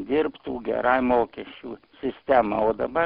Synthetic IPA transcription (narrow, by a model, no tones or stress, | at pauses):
d̪ʲɪrpt̪uːɡʲɛ̰ɾɑɪmoːkʲɛʃʲt͡ʃʲuːsʲɪsʲt̪ʲæmɑoːd̪ɐbɐ